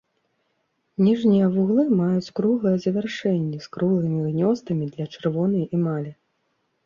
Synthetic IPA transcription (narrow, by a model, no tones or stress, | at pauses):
nʲiʐnʲijɐvuɣlˠɨmajut͡sʲkɾuɣlˠɐjɛzɐvʲarʂɛnʲːɛskɾulˠɨmʲinʲɔst̪ɐmʲid̪lʲɐt͡ʂɨrvɔnɐjimalʲɛ